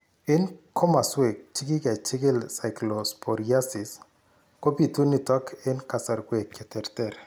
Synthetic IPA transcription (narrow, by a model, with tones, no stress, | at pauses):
ɪ˦nkʰɔ˦ma˨swe˨k̚t͡ʃɪ˦kɪ˦kɛ˨t͡ʃɪ˦kɪ˦lsa˨jklo˨spo˨ɾia˦sɪ˨s | ko˦pi˨tu˦ni˨tɔ˦kʰɪ˦nka˨sa˨ɾɡwe˨kʰɛ˨tɛ˨ɾtɛ˨ɾ